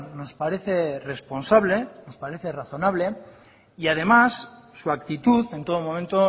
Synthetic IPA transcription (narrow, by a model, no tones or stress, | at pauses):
no̞spaɾe̞θe̞re̞spo̞nsaβ̞le̞no̞spaɾe̞θe̞raθo̞naβle̞ | iað̞e̞masːuakt̪it̪uðe̞nt̪o̞ð̞omoment̪o